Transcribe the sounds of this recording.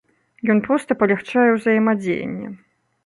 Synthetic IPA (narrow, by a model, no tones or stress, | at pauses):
jɔnpɾɔst̪ɐpɐlʲaxt͡ʂajɛwzɐjɛmad͡zʲḛjɐ̰nʲːɛ̰